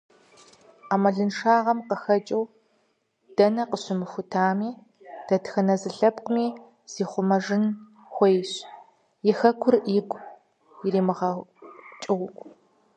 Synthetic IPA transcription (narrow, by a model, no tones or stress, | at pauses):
aːmɐɮɨnʂaːʁɐmqəxɐt͡ʃʼɐw | d̥ɐnɐqəɕɪmɨxʷʊtʰaːmiː | d̥ɐtxɐnɐzɨɬɐpqʷʊmiː | z̥iːχʷʊmɐʐɪn | xʷɔjɕ | jɪxɐkʷʰʊrʔiːɡʷʼ | jɪɾeːmɨʁɐt͡ʃʼɪwʷʊkʷʼ